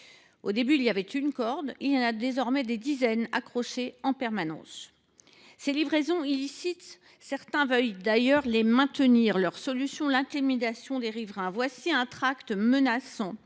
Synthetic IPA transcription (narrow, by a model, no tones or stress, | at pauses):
od̪ebyːlijavɛt̪ynkɔʁd̪iljɑ̃nad̪ezɔʁmɛd̪ed̪izɛna̰kχɔʃeɑ̃pɛʁmanɑ̰̃s | selivʁezɔ̃ilisit̪ | sɛʁt̪ɛ̃vœjd̪ajœʁlemɛ̃t̪əniʁlœʁsɔlysjɔ̃lɛ̃t̪imid̪asjɔ̃d̪eʁivʁɛ̃vwasiɛ̃t̪χakt̪mənasɑ̃